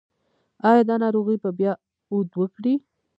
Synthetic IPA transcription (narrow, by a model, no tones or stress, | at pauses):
ɑjɑd̪ɑnɑɾoɣəjbabjɑ | ud̪wəkɽi